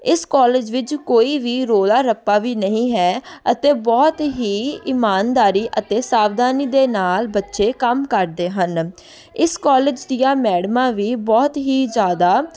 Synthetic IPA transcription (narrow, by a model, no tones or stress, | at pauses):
ɪskɔːleːd͡ʒʋɪt͡ʃkoːiːʋiːɾoːlaːɾəpːaːʋiːnəɦĩːɦɛːət̪eːbɔːt̪ɦiːɪmaːnd̪aːɾiːʔət̪eːsaːʋd̪aːniːd̪eːnaːlbətːʃeːkəmkəɾd̪eːɦən | ɪskɔːleːd͡ʒd̪ɪijãːmɛːɽmãːʋiːbɔːt̪ɦiːzjaːd̪aː